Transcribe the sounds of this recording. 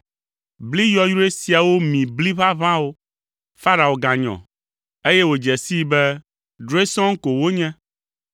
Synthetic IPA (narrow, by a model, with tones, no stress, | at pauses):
bli˦jɔ˨jɾu˦e˦si˨a˨wo˦mĩ˨bli˦βa˦βã˦wo˦ | fa˦ɾa˨o˨ɡã˨ɲɔ̰̃˨ | e˦jɛ˦wo˨d͡ʒɛ˨si˦bɛ˦ | ɖo˦e˦sɔ̃˦ŋ̩˦ko˨wo˦ɲɛ̃˦